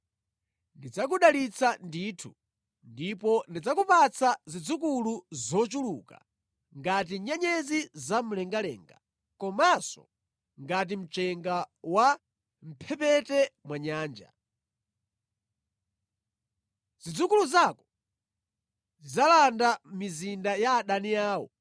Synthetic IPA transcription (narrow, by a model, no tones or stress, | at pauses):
ndid͡zak̬uɗalit͡sʰanditʰu | ndipɔndid͡zakupat͡sʰazid͡zukuluzɔt͡ʃuluka̰ | ŋɡat̬iɲɛɲɛzizamulɛŋɡalɛ̰ːŋɡa̰ | kɔmasɔ̰ | ŋɡat̬im̩t͡ʃɛŋɡawa | m̩pʰɛpɛtɛmwaɲaːnd͡ʒa̰ | z̥id͡zukuluzakɔ̥ | izalandamizindajaːɗanijaːwɔ̰